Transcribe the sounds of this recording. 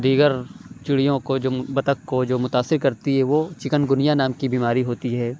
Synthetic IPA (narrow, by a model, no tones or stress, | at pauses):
d̪iːɡəɾt͡ʃʊɽijõkod͡ʒoːbɐt̪əkːod͡ʒoːmʊt̪aːsːɪɾkɐɾt̪iɦɛʋot͡ʃɪkənɡʊnijanaːmkibiːmaːɾiɦoːt̪iɦɛː